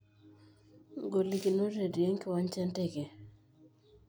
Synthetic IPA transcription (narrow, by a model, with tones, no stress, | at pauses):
ɡo˨li˨ki˨no˦ɾe˨di˨e˦ŋkɪ˦wa˦ɲt͡ʃɛ˦ntɛ˦˨ɡe˨